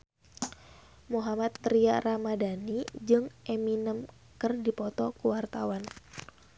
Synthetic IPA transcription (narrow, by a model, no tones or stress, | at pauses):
muɦamat̪ːɾiaramadanid͡ʒɨŋʔeminəm | kərdipɔt̪ɔkuwart̪awan